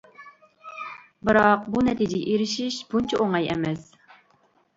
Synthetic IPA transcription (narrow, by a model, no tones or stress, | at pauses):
bɨɾɑqbunɛt̪ʰid͡ʒɪɡ̰ʲʔeɾɪʃiʃbunt͡ʃʰɛʔoŋɑjɛmɛs